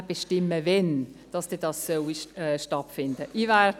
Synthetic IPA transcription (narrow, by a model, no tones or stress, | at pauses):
b̥eʃtɪmːəvɛnd̥ɑsd̥edɑssœwiʃtɑtfɪnd̥əʔivɛd